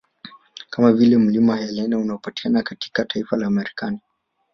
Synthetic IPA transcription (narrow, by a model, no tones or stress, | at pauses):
kamavilɛm̩limahajɛlɛnaunaɔpati̥anakati̥katʰaifalaːmɛɾikani